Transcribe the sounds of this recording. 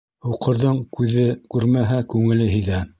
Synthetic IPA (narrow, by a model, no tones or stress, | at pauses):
uqʰɤ̆ɾðɤɴkʉðɘkʉɾmæɦækʉŋɘ̆lɘɦiðæ